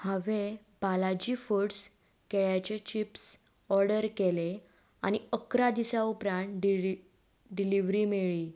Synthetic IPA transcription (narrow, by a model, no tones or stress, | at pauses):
həʋe | palad͡ʑiːfuɽs | keɭjat͡ɕet͡ɕips | ɔɾɖəɾkele | a̰ñiəkɾad̪isaupɾãnɖ | ɖiliʋɾimeɭi